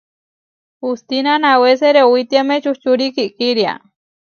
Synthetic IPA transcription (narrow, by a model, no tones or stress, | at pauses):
hust̪inanaweseɾewit̪iamet͡ʃuht͡ʃuɾikiʔkiɾja̰